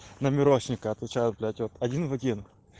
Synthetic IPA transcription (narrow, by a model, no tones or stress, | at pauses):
nəmʲɪɾoɕnʲɪkəɐt̪vʲɪt͡ɕajʊt̪̚blʲatʲot̪ɐdʲinvɐdʲin